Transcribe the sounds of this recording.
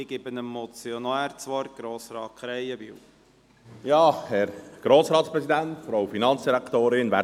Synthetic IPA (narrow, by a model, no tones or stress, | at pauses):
ɪɡ̥ɪbənəmːɔt͡sjonaːɾt͡sʋɔɾɡ̥ɾoːsɾɑːt̚kχɾɛjəʋɪ̰w | jɑːhɛɾɡ̥ɾoːsɾɑːt̪spɾɛsid̪ænt̪fɔɾɑwfinɑnt͡sd̥iɾækt̪oːɾɪnʋæ